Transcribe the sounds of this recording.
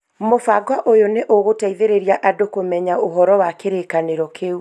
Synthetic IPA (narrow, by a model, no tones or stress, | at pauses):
mofaɡwaʔojoneʔoɣotaiðeɾeɾiaʔadokomɛɲaoɦɔɾɔwakeɾekaneɾɔkʰeu